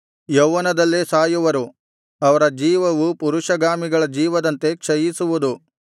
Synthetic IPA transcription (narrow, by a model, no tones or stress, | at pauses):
jɐwːɐnɐd̪ɐlːesaːjuʋɐɾu | ɐʋɐɾɐd͡ʒiːʋɐʋupuɾuʂɐɡaːmiɡɐɭɐd͡ʒiːʋɐd̪ɐnt̪e̞kʂɐjisuʋud̪u